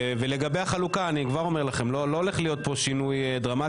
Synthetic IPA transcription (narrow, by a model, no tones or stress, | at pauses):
veleɡabejaχalukaːnikvaʁo̞me̞ʁlaχe̞mlolo̞ːle̞χlijo̞t̪̚po̞ʃinujd̪ʁama